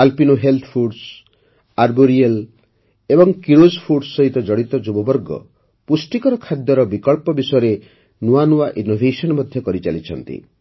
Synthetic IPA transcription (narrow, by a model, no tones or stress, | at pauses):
alpinoɦelt̪ʰpʰuɖs | aɾboɾiel | ebɔŋkiɾod͡ʒpʰuɖsːɔɦit̪ɔd͡ʒɔɽit̪ɔd͡ʒubɔbɔɾɡɔ̰ | pusʈikɔɾɔkʰad̪jɔɾɔbikɔɭpɔbisɔjɔɾe | nuanuwaʔinobʱesɔnɔmɔd̪ʱjɔkɔɾit͡ʃalit͡ʃʰɔ̰nt̪ḭ